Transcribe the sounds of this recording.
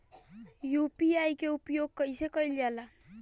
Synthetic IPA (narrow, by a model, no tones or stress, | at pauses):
jupiajkeupjoɡ̚kʌjsekʌjld͡ʒala